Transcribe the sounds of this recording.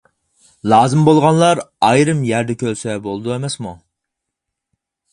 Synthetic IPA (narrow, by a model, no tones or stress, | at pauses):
lˠɑːzɨmbolˠʁɑnlˠɑɾɑjɾɨmjæɾd̪ɛkʲʰølsɛbolˠɨd̪uemɛsmu